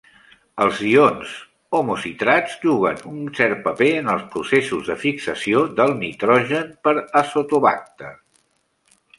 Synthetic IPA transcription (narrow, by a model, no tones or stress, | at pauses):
əlˠzionz | omusit̪ɾad͡zʒuɣ̞ə̰nunsɛɾpəpeənəlˠspɾusesuzðəfiksəsioðəlˠnit̪ɾɔʒənpəɾəsot̪uβa̰k̚t̪ə